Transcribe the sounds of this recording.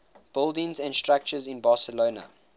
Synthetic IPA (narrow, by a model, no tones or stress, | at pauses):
b̥ɪlˠdɪ̃ŋzæ̃ndstɹak̚t͡ʃəzɪ̃nbɑːsəloːnə̰